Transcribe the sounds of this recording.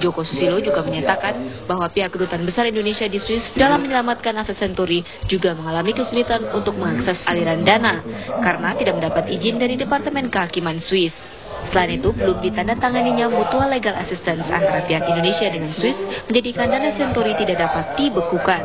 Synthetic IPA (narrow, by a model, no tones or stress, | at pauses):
d͡ʒokosu̥silod͡ʒuɡaməɲat̪akanbaɦwapiɦakːədut̪anbəsaɾindonesiadisuɪsdalamːəɲəlamat̪̚kanasasɛnt̪oɾi | d͡ʒuɡaməŋalamikəsulit̪anunt̪ʊk̚məŋaksɛsaliɾandanakaɾənat̪idakməndapat̪id͡ʒɪndaɾidepart̪əmɛnkəɦakimansuɪsː | əlainit̪ubəlumdit̪andat̪aŋaniɲamot̪ualeɡala̰sist̪ɛnsa̰nt̪aɾapiɦakindonesiadəŋansuɪsməɲd͡ʒadikandanasɛnt̪oɾit̪idak̚dapat̪̚dibəkukan